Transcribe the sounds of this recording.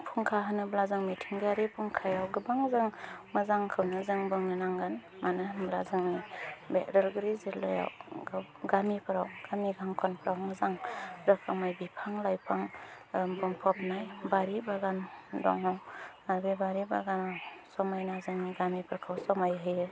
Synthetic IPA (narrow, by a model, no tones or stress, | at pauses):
pʰuŋkʰaɦɯnɯblazɯŋmitʰiŋɡaɾipʰɯŋkʰajawɡɯbaŋzɯŋmɯzaŋkʰɯwnɯzɯŋbɯŋɯnaŋɡanmanɯblazaŋmibetɾalɡɯɾizelːa̰ja̰wɡa | ɡamipʰɯɾawɡ̥amiɡʰaŋkʰɔnpʰɾawmɯzaŋɾakʰamajbipʰaŋlajpʰaŋ | bɯŋpʰɔp̚najbaɾibaɡandɔ̰ŋawaɾbebaɾiba̰ɡanasɔmajnazɯŋɡamipʰɯɾkʰawsɔmajɦɯjɯ